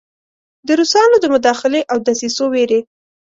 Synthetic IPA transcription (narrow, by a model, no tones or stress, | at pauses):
d̪əɾusɑnod̪əmʊd̪ɑxɪleʔawd̪asisoweɾe